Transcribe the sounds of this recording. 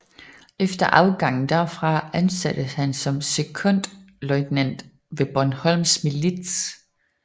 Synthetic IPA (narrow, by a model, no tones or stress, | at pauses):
efd̥ɐʔɑ̈ʊɡ̥ɑ̈ŋ̰n̩d̥æɐfʁɑ̈ænsæd̥əhænsɒ̽mse̝kʰɔ̽n̰d̥ | lɒɪd̥næn̰d̥ | ʋe̝b̥ɒnhɒ̽lmsmilid̥s